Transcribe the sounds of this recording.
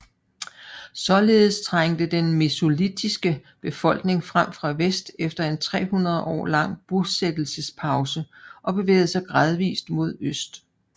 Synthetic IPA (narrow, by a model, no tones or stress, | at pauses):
sɒ̽le̝ːð̞̩ˠst͡sʰʁaŋ̰d̥əd̥enmeso̝lid̥ʰisɡ̥əb̥e̝fɒ̽l̰ɡ̥ne̝ŋfʁam̰fʁɑ̈ʋesd̥efd̥ɐe̝nt͡sʰʁɛ̰ːhunɐð̞̩ˠʔɒ̰ːlɑ̈ŋ̰b̥used̥l̩səspʰɑ̈ʊsəʔɒ̽b̥e̝ʋḛːð̩ˠsɑɪɡ̥ʁɑ̈ð̞ˠʋḭːsd̥mo̝ð̞ˠøsd̥